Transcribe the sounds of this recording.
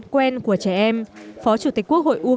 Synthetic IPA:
kwɛ˧nku˧˩ət͡ɕɛ˧˩ʔɛ˧mfɔ˨˦t͡ɕu˧˩t̪i̟˨˩ku˦˥ək̚ho̰˧˨jʔu˧

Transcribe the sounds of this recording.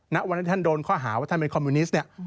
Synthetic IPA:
na˦˥ʔwa˧nt̪ʰiː˥˩a˥˩doː˧nkʰɔː˥˩ɦaː˩˦wa˥˩a˥˩npe˧nkʰɔ˧mːu˧ni˦˥sni˥˩ə

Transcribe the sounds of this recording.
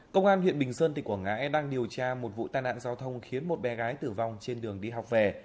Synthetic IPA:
kə˧wŋ͡mʔaː˧nhwḭ˧˨ənɓï˨˩ŋ̟səː˧nt̪ï˨˩k̚u˧˩ŋa̰ː˧˥jɗaː˧ŋɗi˨˩əwt͡ɕaː˧mo˨˩t̚vṵ˧˨t̪aː˧˩jna̰ː˧˥nzaː˨˦wt̪ʰə˧wŋ͡mxi˨˦ənmo˨˩t̚ɓɛ˨˦ɣaː˨˦jt̪ɨ˧˩va˧wŋ͡mt͡ɕe˧nɗɨ˨˩əŋɗi˧ɦa˨˩wk͡p̚vɛ˨˩

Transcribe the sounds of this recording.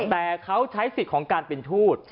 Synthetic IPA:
t̪ɛː˨˩kʰa˦˥wt͡ɕʰa˦˥jsi˨˩t̪̚kʰɔː˩˦ŋkaː˧npe˧nt̪ʰuː˥˩t̪̚

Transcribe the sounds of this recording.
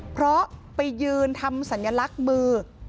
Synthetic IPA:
pʰɾɔ˦˥pa˧jːɯː˧nt̪ʰa˧msa˩˦nja˧la˦˥k̚mɯː˧

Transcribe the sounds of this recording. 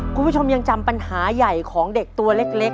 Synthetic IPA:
kʰu˧npu˦˥˩t͡ɕʰo˧mja˧ŋt͡ɕa˧mpa˧nhaː˩˦ja˨˩jkʰɔː˩˦ŋde˨˩k̚t̪u˧ɐle˦˥k̚le˦˥k̚

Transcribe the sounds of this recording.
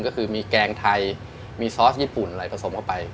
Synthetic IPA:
ŋkɔ˥˩kʰɯː˧miː˧kɛː˧ŋt̪ʰa˧j | miː˧sɔː˦˥t̚jiː˦˥˩pu˨˩nʔa˧ɾa˧˩pʰa˧sʰo˩˦mkʰa˥˩pa˧j

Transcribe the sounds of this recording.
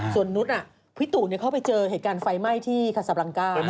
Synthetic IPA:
su˨˩ənːu˦˥t̪̚ʔa˨˩ | pʰi˦˥t̪u˨˩ni˥˩əkʰa˥˩p̬a˧jt͡ɕɤː˧ɦeː˨˩t̪̚kaː˧nfa˧jma˥˩jt̪ʰiː˥˩kʰa˧˩sa˨˧p̚la˧ŋkaː˥˩

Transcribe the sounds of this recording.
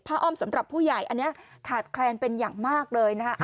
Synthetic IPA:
pʰa˦˥ʔɔː˥˩msa˨˩˦mɾa˨˩pʰːuː˥˩jaː˨˩jʔa˧nːi˦˥ɐt̪ʰaː˨˩t̪̚kʰlɛː˧npe˧njaː˨˩ŋmaː˥˩k̚lɤː˧jna˦˥kʰa˦˥ʔ

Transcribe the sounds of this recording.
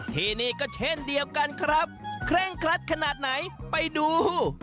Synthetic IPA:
t̪ʰiː˧niː˥˩kɔː˥˩t͡ɕʰe˥˩ndi˧əwka˧nkʰɾa˦˥p̚kʰɾɛː˥˩ŋkʰɾa˦˥t̪̚kʰa˧naː˨˩t̪̚na˩˦jpa˧jduː˧

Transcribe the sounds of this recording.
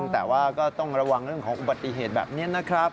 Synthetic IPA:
ŋt̪ɛː˨˩waː˥˩kɔː˥˩t̪ɔ˥˩ŋɾa˧wa˧ŋɾɯ˥˩əŋkʰɔː˩˦ŋʔu˨ba˨˩t̪ːi˨ɦeː˨˩t̪̚bɛ̰ː˨p̚ni˦˥ɐna˦˥kʰɾa˦˥p̚

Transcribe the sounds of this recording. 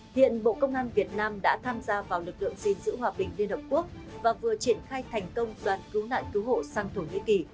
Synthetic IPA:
hḭ˧˨ənɓo̰˧˨kə˧wŋ͡mʔaː˧nvi˨˩ət̚naː˧mɗa̰ː˧˥t̪ʰaː˧mzaː˧vaː˨˩wlɨ˨˩k̚lɨ̰˧˨əŋzi˨˩nzɨ̰˧˥ɦwaː˨˩ɓï˨˩ŋ̟li˧ənhə˨˩p̚ku˦˥ək̚vaː˨˩vɨ˨˩ət͡ɕi˧˩ənxaː˧jt̪ʰɛ˨˩jŋ̟kə˧wŋ͡mɗwaː˨˩nki˨˦wna̰ː˧˨jki˨˦wɦo̰˧˨saː˧ŋt̪ʰo˧˩ŋḭ˧˥ki˨˩

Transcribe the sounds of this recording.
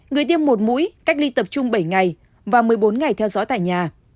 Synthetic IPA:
ŋɨ˨˩əjt̪i˧əmːo˨˩t̚mṵ˧˥jka˦˥jk̚li˧t̪ə˨˩p̚t͡ɕʊ˧ŋ͡mɓə˧˩jŋa˨˩j | vaː˨˩mɨ˨˩əjɓo˨˦nŋa˨˩jt̪ʰɛ˧wzɔ̰˨˦t̪a̰ː˧˨jɲaː˨˩

